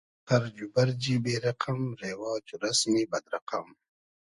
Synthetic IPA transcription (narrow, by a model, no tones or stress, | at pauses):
paɾd͡ʒubaɾd͡ʒibeːɾaqʰamɾeːwɑːt͡ʃuɾasmibɐd̪ɾaqam